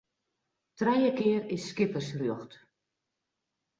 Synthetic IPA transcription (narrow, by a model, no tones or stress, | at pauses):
trɛjəkɪərɪsːkɪpərsrjoəxt